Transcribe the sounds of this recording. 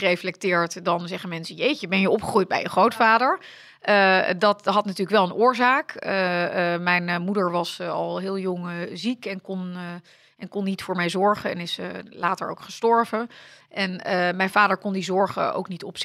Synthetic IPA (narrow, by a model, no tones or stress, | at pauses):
rejflɛk̚tɪːɹtdɑnzɛχənmɛnsəjejt͡ʃəbɛnjəʔɔpχəχrujd̚bɛ̰jəχrowtfaːdəɹ | ʔədɑtɦɑtnatyːləkʋɛlˠənʔʊːɹzaːkəmɛjnmudəɹʋɑsɑ̰lˠɦɪːlˠjoŋzikɛnkɔn | ɛnkɔnːitfʊːɹmɛjzɔɹχəɛ̰nɪslaːtə̰ɹo̰wkχə̥stɔɹvə | ʔɛnmɛjnvaːdəɹkɔndizɔɹχə̰o̰wknitɔps